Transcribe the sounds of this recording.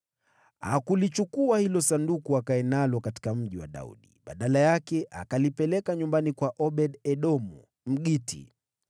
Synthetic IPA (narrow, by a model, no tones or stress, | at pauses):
ha̰kulit͡ʃukuahilɔsandukuakaɛnalɔkati̥kam̩ʄiwa̰ɗa̰ṵɗiɓaɗalajakɛʔakalipɛlɛkaɲumbanikwaʔɔɓɛɗɛɗɔmṵ | m̩ɠitḭ